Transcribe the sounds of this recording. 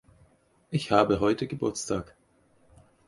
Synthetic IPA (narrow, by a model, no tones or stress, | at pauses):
ʔɪçhaːbəɦɔʏtəɡəbʊɐt͡stʰaːk